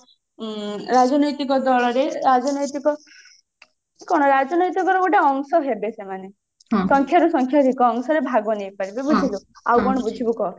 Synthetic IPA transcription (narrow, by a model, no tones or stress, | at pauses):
ɾad͡ʒɔnɔjt̪ikɔd̪ɔɭɔɾeɾad͡ʒɔnɔjt̪ikɔ | kɔɽ̃ɔɾad͡ʒɔnɔjt̪ikɔɾɔkuʈaɔŋsɔɦebesemane | sɔŋkʰjaɾusɔŋkʰjaɾikɔːŋsɔɾebʱaɡɔnejpaɾibebud͡ʒʱibu | awkɔɽ̃ɔbud͡ʒʱibukɔ